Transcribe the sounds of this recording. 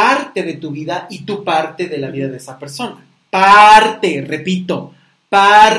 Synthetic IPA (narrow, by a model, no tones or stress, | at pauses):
aɾt̪e̞ðe̞t̪uβiðait̪upaɾt̪e̞ðe̞laβiðaðeesape̞ɾso̞na | paɾt̪e̞re̞pit̪o̞ | pa